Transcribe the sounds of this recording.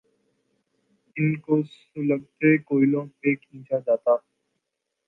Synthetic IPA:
ɪnkos | ʊləɡ̚t̪ekoːɪlõeːkĩːt͡ʃʰad͡ʒaːt̪aː

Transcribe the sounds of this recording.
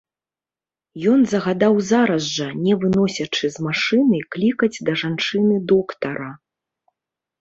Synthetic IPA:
jɔnzɐɣad̪awzaɾɐzʐɐnʲɛvɨnɔsʲɐt͡ʂɨzmaʂɨnɨklʲikɐd͡zʲd̪ɐʐant͡ʂɨnɨd̪ɔkt̪ɐɾɐ

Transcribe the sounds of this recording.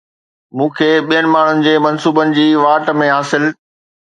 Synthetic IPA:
mũːkʰeːɓijənɪ̆maːɳ̤ʊnɪ̆d͡ʑeːmɐnsuːbənɪ̆d͡ʑiːʋaːʈmẽɦaːsɪl

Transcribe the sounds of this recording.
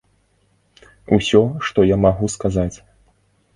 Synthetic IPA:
usʲɔʂt̪ɔjamaɣuskazat͡sʲ

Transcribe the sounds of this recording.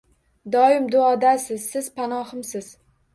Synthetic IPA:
d̪ɒɪmd̪ʊɒd̪asɪzsɪz̥pʰanɒhɨmsɪz̥

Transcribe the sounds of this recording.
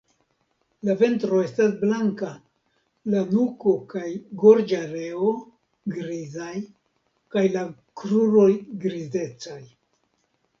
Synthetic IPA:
lave̞ntɾo̞e̞stasblaŋka | lanuko̞kajɡo̞ɾd͡ʒaɾe̞o̞ | ɡɾizaj | kajla | kɾuɾo̞jɡɾize̞t͡saj

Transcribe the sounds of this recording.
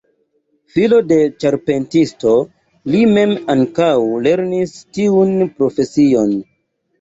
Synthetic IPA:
filo̞de̞t͡ʃaɾpe̞ntisto̞ | lime̞maŋkawle̞ɾnistiunpɾo̞fe̞sio̞n

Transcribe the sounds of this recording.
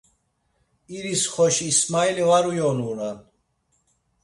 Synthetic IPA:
iɾisχɔʃiːsmailivaɾujɔnuɾan

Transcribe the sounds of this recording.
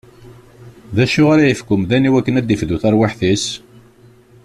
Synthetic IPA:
ðæʃʊʁaɾajəfkʊmðæniwækːənæd̪ːifðuθæɾwaħθis

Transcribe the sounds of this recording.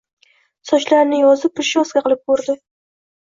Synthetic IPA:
sɒʃlaɾnɪjɒzɪpʰːɪɾʃɒskʲaqɨlˠɪp̚boɾd̪ɪ

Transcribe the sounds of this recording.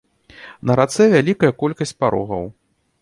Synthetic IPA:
nɐɾat̪sɛvʲalʲikɐjɐkɔlʲkɐsʲt͡sʲpaɾɔ̰ɣɐ̰w

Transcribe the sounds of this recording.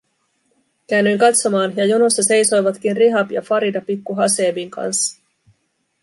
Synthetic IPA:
kæːnːyjŋkɑt̪so̞mɑːnjɑjonust̪ːɑse̞jso̞jʋɑt̪k̟inriɦɑpjɑ̰fɑɾidɑpikːuɦɑse̞ːbiŋkɑ̰nsːɑ̥

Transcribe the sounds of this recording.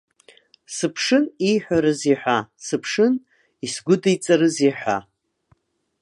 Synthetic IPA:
sɨpʰʂɨnijħʷᶣaɾɨziħʷᶣasɨpʰʂɨn | isɡʷʊdajt͡sʼaɾɨziħʷa̰

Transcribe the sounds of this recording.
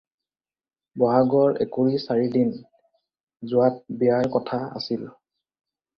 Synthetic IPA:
bɔɦaɡɔɹɛ̰kuɹisaɹidin | zʊat̚bijaɹkɔtʰaa̰sil

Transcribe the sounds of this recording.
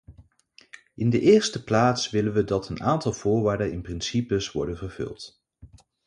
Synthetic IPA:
ʔɪndəʔɪːɹstəplaːtsʋɪlənʋədɑtʰəna̰ːntɑlˠv̥ʊːɹʋaːɹdənɪnprɪnsipəsʋɔ̰ɹdənvəɹv̥ɵ̰lˠt

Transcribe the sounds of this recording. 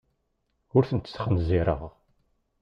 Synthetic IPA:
ʊɾθənt̪ːə̥θχənziɾˤə̰ʁ

